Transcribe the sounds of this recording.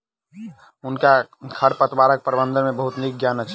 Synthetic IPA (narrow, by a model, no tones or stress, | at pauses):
ʊnkakʰəɾpət̪baɾək̚pəɾbənd̪ənmebəɦut̪nik̚ɡjanət͡ʃʰ